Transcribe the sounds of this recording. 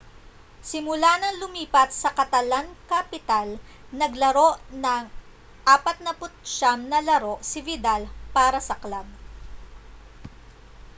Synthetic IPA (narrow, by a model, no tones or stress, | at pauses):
sɪmʊlanɐŋlʊmiːpɐt̪̚sɐkɐt̪ɐlaŋkɐpɪt̪al | nɐɡlɐɾo̞ʔnɐŋ | ʔaːpɐt̪̚nɐpʊt̪̚ʃamnɐlɐɾo̞ʔsɪvɪd̪alpaːɾɐsɐklab̚